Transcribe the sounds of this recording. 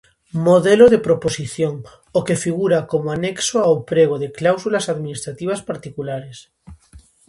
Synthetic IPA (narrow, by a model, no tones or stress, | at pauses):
moðeloðepɾoposiθjoŋ | okefiɣuɾakomoaneksoawpɾeɣ̞oðeklawsulasaðminist̪ɾat̪iβ̞aspaɾt̪ikulaɾes